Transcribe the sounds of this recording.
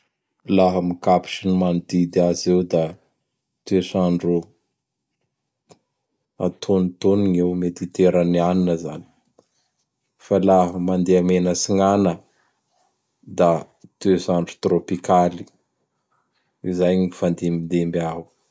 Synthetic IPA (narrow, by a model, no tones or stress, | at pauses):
laɦəmikapi̥ʈ͡ʂinimanid̪id̪iazewd̪a | t̪esaɳɖ͡ʐu | a̰t̪ʰonit̪oniŋewmed̪it̪eɾənianinəzani̥ | falaɦəmand̪eamenəsiŋanə | d̪a | t̪esaɳɖ͡ʐu̥t̪ropikali | izajŋifand̪imind̪embiau